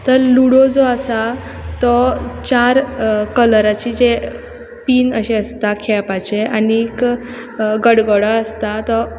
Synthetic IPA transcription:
t̪əɾluɽod͡zɔəsa | t̪ɔt͡ɕaɾkələɾat͡ɕid͡ʑe | piːnəɕeəst̪akʰɛpat͡ɕeʔaniːk | ɡəɽɡɔɽaəst̪at̪ɔ

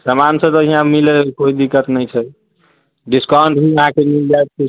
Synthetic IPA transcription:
səmansə̃t̪əɦiɦãmilekoid̪ikːət̪nəjt͡ʃʰɛ | ɖiskãɳʈɦuəɦãkemild͡ʒajt̪̚ke

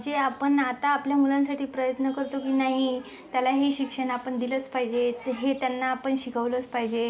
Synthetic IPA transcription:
d͡zeapəɳat̪aːpljamulãnsaʈʰiːpɾəjət̪nəkəɾt̪okiːnaɦi | t̪jalaɦeɕikʂəɽ̃aapəɳd̪ilət͡spaɦid͡ʑeɦet̪janːaːpəɳɕikʰəʋlət͡spaɦid͡ʑe

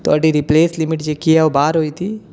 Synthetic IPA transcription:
t̪oɐɖiɾipleːslimiʈd͡ʒekiaobaːɾɦojt̪i

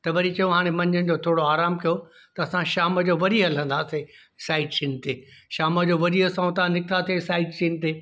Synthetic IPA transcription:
t̪ɐʋɐɾit͡ɕɐjõɦaːɽ̃emɐ̃ɲənɪ̆d͡ʑoːt̪ʰoːɽoaːɾaːmkijo | t̪ɐɐsãʃaːmə̆d͡ʑoːʋɐɾiɦɐl̤ə̃n̆d̪aːse | saːɪʈsiːnɪ̆t̪ʰeːʃaːməd͡ʑoːʋɐɾiɦəsãːũt̪ɐʋãnɪkt̪at̪ʰiesaːɪʈsiːnɪ̆t̪eː

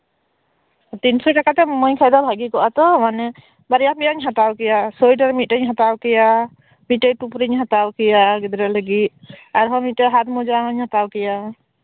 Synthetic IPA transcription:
t̪insɔjʈakat̪ɛmmɔɲkʰajd̪alɦaɡikɔʔat̪ɔmanɛ | baɾijapɛjaɲɦat̪awkɛjasɔjʈaɾmit̪̚ˀəɲɦat̪awkɛja | mit̪̚ʈəjʈupɾiɲɦat̪awkɛjaɡɛd̪ɾɛləɡit̪̚aɾɦɔmit̪̚tɛɦat̪̚mɔd͡ʒaɦəɲhat̪awkɛja

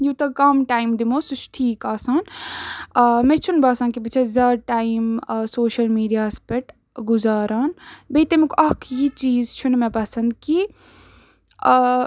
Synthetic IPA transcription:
juːt̪ɐkɐmʈaːimd̪imoːsut͡ʃʰʈʰiːkaːsaːn | mẽt͡ʃʰunbaːsaːnkibɨt͡ʃʰɐzɐːʈaːjimsoːʃɐlmiːɖijaːspɐʈ | ɡuzaːɾaːnbeːt̪emekʔɐkʰjit͡ʃiːzt͡ʃʰunmepɐsɐnd̪ki

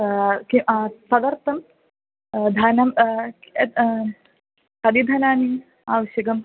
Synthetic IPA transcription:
kisɐd̪ɐɾt̪ːɐm | d̪ʱɐnɐm | kɐd̪id̪ʱɐnaːni | aːʋɐʃjɐɡɐm

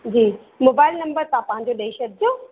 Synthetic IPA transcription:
d͡ʑiː | moːbaːɪlnɐ̃mbəɾt̪ɐãpɐ̃ɦɪ̃ɲd͡ʑoɗɐiʃəb̚d͡ʑoː

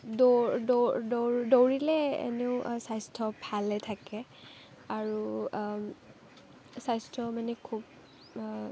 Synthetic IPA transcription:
dodɔdɔɹdowɹilɛḛneʊsajstʰɔpʰalɛtʰakɛ | aɹu | sajstʰɔmanɛkʰub

